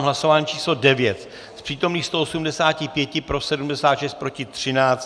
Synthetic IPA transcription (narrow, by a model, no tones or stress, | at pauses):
mɦlaso̞vaːɲiːt͡ʃiːslodɛvjɛt̪ | spr̥iːt̪o̞mniːxst̪oʔosumdɛsaːcɪpjɛcɪpɾo̞sɛdumdɛsaːt̪ʃɛst̪̚pɾo̞cɪt̪r̝̥ɪnaːt͡s